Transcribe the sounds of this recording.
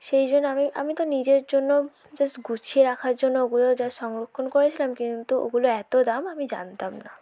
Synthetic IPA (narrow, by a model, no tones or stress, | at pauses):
ʃejd͡ʑonːoamiʔa̰mit̪onid͡ʑeɾd͡ʑonːo | d͡ʑaɡut͡ɕʰieɾakʰaɾd͡ʑonːooɡulod͡ʑaʃɔŋɾokʰːonkoɾet͡ɕʰilamkint̪uʔo̰ɡuloɛt̪od̪amamid͡ʑa̰nt̪amna